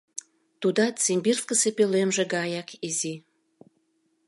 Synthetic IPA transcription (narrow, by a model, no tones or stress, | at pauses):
t̪ud̪ɑt͡simʲbirskəsepølemʒĕɡɑjɑkizi